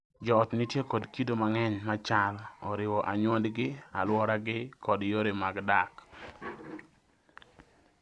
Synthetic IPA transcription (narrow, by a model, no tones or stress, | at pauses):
d͡ʒɔːtnitjekɔdkitomaŋɛɲmat͡ʃalɔɾɪwɔʔaɲwɔndɡɪalwɔɾaɡɪkʰɔdjoɾemaɡdak